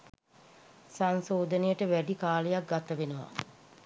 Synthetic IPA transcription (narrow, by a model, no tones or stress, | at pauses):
sansoːd̪ənejəʈəʋæɖikaːləjak̚ɡat̪əʋenuʋa̰